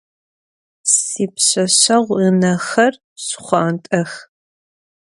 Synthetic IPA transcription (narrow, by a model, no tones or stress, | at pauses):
siːpɕɐɕɐʁʷinɐxɐr | ɕχʷɑːntʼɐx